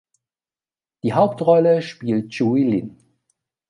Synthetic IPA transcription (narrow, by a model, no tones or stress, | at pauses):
d̥iːɦaʊptʁɔləʃpiːlt̚ʒ̥uilɪn